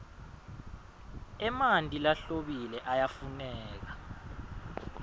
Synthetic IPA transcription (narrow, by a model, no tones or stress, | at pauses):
ɛmantʼilaɬoɓilɛʔajafunɛːk̬a